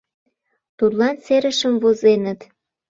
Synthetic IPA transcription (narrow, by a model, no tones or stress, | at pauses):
t̪ud̪lɑnseɾəʃəmvozenət̪